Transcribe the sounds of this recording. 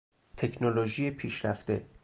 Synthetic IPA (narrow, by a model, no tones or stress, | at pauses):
t̪ʰe̞cʰnoloʒiːjepʰiːʃɾæft̪e̞̰